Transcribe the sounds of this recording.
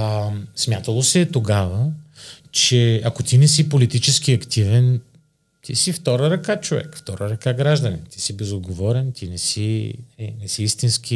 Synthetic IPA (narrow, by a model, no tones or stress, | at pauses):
smʲjat̪əlˠosɛt̪oɡavə | t͡ʃɛɐkot̪inɛsipolit̪it͡ʃɛsk̟iɐkt̪ivɛn | t̪ʰḭsift̪ɔɾəɾɐkat͡ʃovɛ̰kft̪ɔɾəɾɐkaɡɾaʒd̪ənɛ̰t̪isibɛzod̪ɡovɔɾɛnt̪inɛsi | nɛsiist̪insk̟i